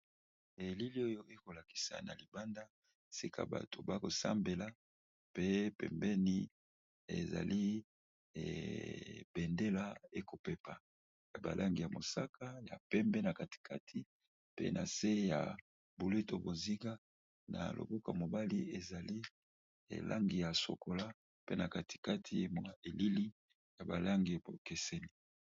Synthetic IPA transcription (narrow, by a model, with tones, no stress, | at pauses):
e˨li˦li˦o˦jo˦ʔe˦ko˨la˨ki̥˨sa̰˨na˨li˨ba˦nda˦ | si˦kʰa̰˦ba̰˨to˨ba˦ko˨sa̰˦mbe˨la˨ | pe˦pɛ̰˨mbɛ˦ni˦ | ḛ˨za̰˨li˦˨ | b̥ɛ˨nde˦la˦e˦ko˨pɛ˦pa˨ | ja˨ba̰˨lʔa˦ŋɡi˨ja˨mo˨sa˦kʰa˦ja̰˨pɛ˦mbɛ˦na˨ka˨ti̥˨kʰa˦tʰi˦ | pḛ˦na˨se˦ja̰˨ | bu˨le˦to˨bo˨zi˦ɡa˦ | na̰˨lo̰˨bo˦ka̰˨mo˨ba˦li˦e˨za˨li˦ | ḛ˨lʔa̰˦ŋɡi˨ja˨so̰˨ko˨la˦ | pe˦na˨ka˨tʰi̥˨ka˦tʰi˦m˨e˨li˦li˦ | ja˨ba˨la˦ŋɡi˨bo˨kɛ˨sɛ˦ni˨